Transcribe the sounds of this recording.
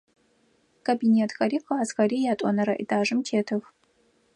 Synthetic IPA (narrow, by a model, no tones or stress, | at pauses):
kʰobineːtʰɣɐɾiːxɐaːzɣɐɾiːjaːtʷʼɔ̰nɐɾɐʔḭdaːʒɨmtʰeːtʰɨx